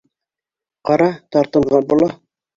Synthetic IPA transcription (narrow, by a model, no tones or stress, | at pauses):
qɑɾɑt̪ɑɾt̪ɤ̆ɴʁɑnbulˠɑ